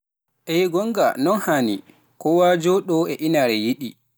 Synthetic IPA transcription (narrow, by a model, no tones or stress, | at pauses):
ʔɛɡɔŋɡa̰nɔnhani | kɔwad͡ʒɔɗɔɛʔinaɾɛjiɗi